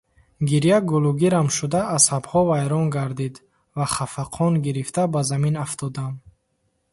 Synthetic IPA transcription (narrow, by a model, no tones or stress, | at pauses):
ɡiɾijaɡuluɡiɾamʃud̪aːsabhɔvajɾɔnɡaɾd̪id̪ | vaχafaqʰɔnɡiɾift̪abazaminaft̪ʰɔd̪am